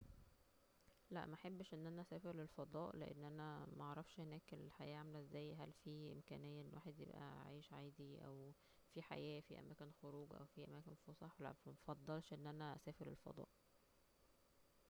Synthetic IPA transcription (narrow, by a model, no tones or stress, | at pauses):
læʔmæħebːʃʔenːʔænæʔæsæːfeɾlelfɑd̪ˤɑːʔlḛʔḛnːʔænæmæʔɑʕɾˤɑfʃhenæːkelelħajæːʔʕamelæezːæːjɦælfiːʔḛmkæ̰ːnejːæʔenːwaːħed̪jḛbʔæ̰ʕḭːʃʕaːd̪iʔæ̰w | fiħa̰jæːfḭʔæ̰mæːkenxoɾuːɡʔæ̰wfiʔæ̰mæːkenfosˤɑħwlæ̰æfɑd̪ˤːɑlʃʔenːʔænæʔæsæːfeɾḛlfɑ̰d̪ˤɑ̰ːʔ